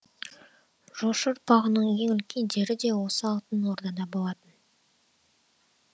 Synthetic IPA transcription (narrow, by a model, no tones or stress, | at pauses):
ʒ̥oʃəɾ̚pɑʁənəɴje̞ŋʏlkʲʰe̞nd̪e̞ɾɪd̪e̞wo̞səɑlˠt̪ənwo̞ɾd̪ɑd̪ɑbo̞lˠɑt̪ən